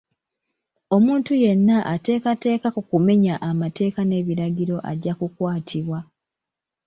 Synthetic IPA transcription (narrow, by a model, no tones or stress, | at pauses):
o̞muːntuje̞nːaʔate̞ːkate̞ːkakukume̞ɲaʔːmate̞ːkane̞ːβiɾaɟiɾo̞ʔa̰ɟːakukwaːtʰiβwa